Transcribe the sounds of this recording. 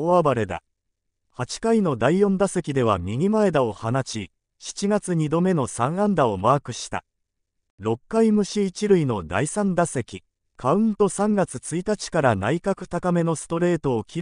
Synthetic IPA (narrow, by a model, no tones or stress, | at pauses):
oabaɾe̞d̪a̰ | hat͡ɕi̥kaino̞d̪aijõ̞nd̪ase̞kʲid̪e̞β̞a̰mʲiɡʲimae̞d̪ao̞hanaɕi | ɕi̥t͡ɕiɡat͡sɨɲ̟id̪o̞me̞no̞sãɰ̃ãnd̪ao̞maːkɯ̟ɕi̥t̪a̰ | ɾo̞kːaimɯ̟ɕiːt͡ɕiɾɯ̟ino̞d̪a̰isãnd̪ase̞kʲi | kʰaɯ̟̃nt̪o̞sãŋɡat͡sɨt͡sɨit̪at͡ɕi̥kaɾana̰ikakɯ̟̥t̪akame̞no̞sɨ̥t̪o̞ɾe̞ːt̪o̞ːkʲʰi